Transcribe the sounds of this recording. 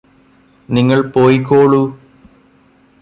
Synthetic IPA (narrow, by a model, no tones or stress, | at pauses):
niŋːɐɭpoːjikːoːɭu